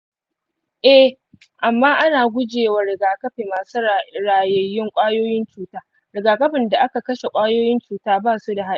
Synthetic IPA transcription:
ʔɛ˦ | ʔa˨mːaː˦ʔa˦naː˨ɡʷʊ˦d͡ʒeː˨wa˨ɽɪ˨ɡaː˨kɐ˦ɸeː˨maː˨su˦ɾaː˨jɐ˨jːɪ˦ŋkʷʼaː˦joː˦jɪ˦nt͡ʃuː˦taː˦ | ɾɪ˨ɡaː˨kɐ˦ɸɪ˨nda˨ʔa˦ka˨kɐ˦ʃe˨kʷʼaː˦joː˦jɪ˦nt͡ʃuː˨taː˦baː˦˨su˦da˨ɦa˦

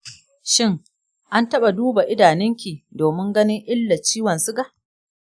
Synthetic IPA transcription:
ʃɪ˦ŋ | ʔa˦ntɐ˦ɓa˨duː˦ba˨ʔɪ˦daː˨nɪ˦ŋkʲiː˨doː˨mɪ˦ŋɡɐ˦nɪ˦ŋʔɪ˦lːa˨t͡ʃiː˦wɐ˨nsʊ˦ɡa˨ʔ

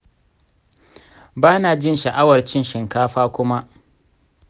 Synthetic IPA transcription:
baː˦naː˨d͡ʒɪ˦nʃɐ˨ʔa˦wɐ˨rt͡ʃɪ˦nʃɪ˨ŋkaː˦ɸaː˦kʷʊ˦ma˦ʔ

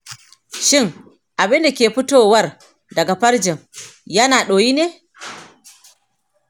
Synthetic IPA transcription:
ʃɪ˦˨ŋ | ʔa˨bɪ˦nda˨kʲeː˨ɸɪ˦toː˨wɐ˦r | dɐ˨ɡa˨ɸɐ˦ɾd͡ʒɪ˨ŋjɐ˦naː˨ɗoː˨jiː˦neː˦

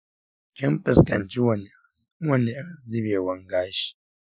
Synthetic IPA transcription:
kʲɪ˦mpɨ˨skɐ˨nt͡ʃi˦wn | wɔ˦˨ne˨˦d͡zi˦beː˨wɐ˦ŋɡaː˦ʃi̥˨

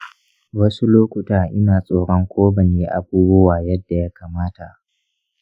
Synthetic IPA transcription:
wɐ˦su˦loː˦kʷʊ˨taː˨ʔɪ˦naː˨sʼoː˨ɽɔ˦ŋkʷoː˦bɐ˨neː˦ʔa˨buː˦bʊ˦waː˨jɐ˦dːa˨ja˦kaː˨maː˦ta˨ʔ

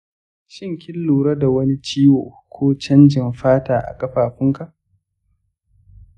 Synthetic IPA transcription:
ʃɪ˦˨ŋkʲɪ˦lːuː˨ɾɐ˦da˨wɐ˦ni˦t͡ʃiː˦woː˨ | kʷʰoː˦t͡ʃɐ˦nd͡ʒɪ˨nɸaː˦taː˨ʔa̰˨kʼɐ˦ɸaː˨ɸʊ˦ŋka˨ʔ

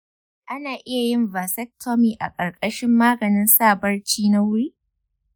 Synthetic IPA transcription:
ʔa˦naː˨ʔɪ˦ja˨jɪ˦mvaː˨sɛ˦k̚tʰɔ˦miː˨ʔa̰˨kʼɐ˨rkʼɐ˦ʃɪ˦mːaː˦ɡɐ˨nɪ˦nsaː˦˨bɐ˦rt͡ʃiː˦na˦wʊ˦ɽiː˦

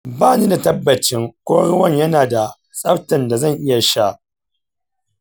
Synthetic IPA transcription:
baː˦˨niː˦da˨tɐ˦bːɐ˨t͡ʃɪ˦ŋkʷoː˦ɽʊ˦wɐ˦˨ɲjɐ˦naː˨da˨ | sʼɐ˦ɸtɐ˨nda˨zɐ˦˨ŋʔɪ˦ja˨ʃa˦ʔ

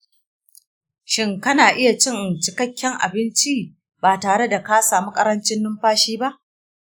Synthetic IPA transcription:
ʃɪ˦ŋkɐ˦naː˨ʔɪ˦ja˨t͡ʃɪ˦ŋ˨t͡ʃɪ˨kɐ˦kʲːɛ˦ŋʔa̰˨bɪ˦nt͡ʃi˦ | baː˨taː˨ɽe˦da˨ka˦saː˨mu˦kʼɐ˦ɾɐ˦nt͡ʃɪ˦nːʊ˦mɸaː˦ʃiː˦ba˦ʔ

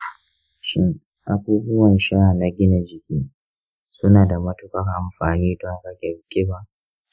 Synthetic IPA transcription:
ʃɪ˦ŋ | ʔa˨buː˦bʊ˦wɐ˨nʃa˦˨na˨ɡʲɪ˦na˨d͡ʒɪ˨kʲiː˦ | sʊ˦naː˨da˨mɐ˦tʊ˦kɐ˦rʔa˨mɸaː˨niː˦dɔ˦ŋka˦ɡʲɛ˨ɽkʲʼɪ˦ba˦ʔ

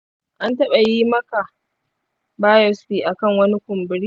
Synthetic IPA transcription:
ʔa˦ntɐ˦ɓɐ˨jiː˦mɐ˦ka˨ | baː˦jɔ˦sɸiː˨ʔa˨kɐ˦˨ŋwɐ˦ni˦kʷʊ˨mbɪ˨ɽiː˦

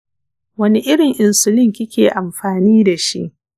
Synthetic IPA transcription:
wɐ˦ni˦ʔɪ˦ɽɪ˨ŋʔɪ˨nsʊ˨lɪ˦ŋkʲɪ˦kʲeː˨ʔa˨mɸaː˨niː˦da˨ʃḭ˦ʔ

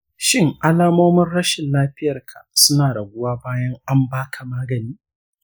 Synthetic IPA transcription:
ʃɪ˦ŋʔa˦laː˦moː˦mɐ˦rɽɐ˦ʃɪ˨nlaː˦ɸɪ˦jɐ˨rkʰa˨sʊ˦naː˨da˨ɡʷʊ˦waː˦baː˦jɐ˦ŋa˦mbaː˦kʰa˨maː˦ɡɐ˨niː˦

